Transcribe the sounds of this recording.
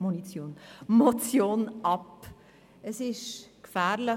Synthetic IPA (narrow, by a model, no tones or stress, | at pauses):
monit͡sjoːnmɔt͡sjoːnʔɑp | əsɪʃkfæːɾlə